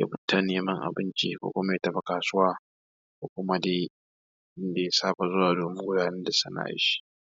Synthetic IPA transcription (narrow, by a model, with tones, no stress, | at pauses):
ja̰˦bʊ˦tːa˦neː˨mɐ˦ŋʔa̰˨bɪ˦nt͡ʃḭː˦kʷo̰ː˦kʷʊ˦ma˦je˦tɐ˨ɸa˨kaː˨sʊ˦waː˦ | kʷoː˦kʷʊ˦ma˦deː˦ | ɪ˦nda˨je˦saː˦ɸa˨zʊ˦waː˨doː˨mɪ˦ŋ˦ɡʷʊ˦daː˨nɛ˦da˨sɐ˦na̰˦ʔa̰˦ʃi̥˦